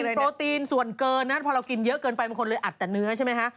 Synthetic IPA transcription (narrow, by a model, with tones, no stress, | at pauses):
pɾoː˧t̪iː˧nsu˨˩ənkɤː˧nːa˦˥pʰɔː˧ɾa˧wki˧njɤ˦˥ʔkɤː˧npa˧jba˧ŋkʰnlɤː˧jʔa˨˩t̪̚ːɛː˨˩nɯ˦˥ɐt͡ɕʰa˥˩ma˥jkʰa˦˥ʔ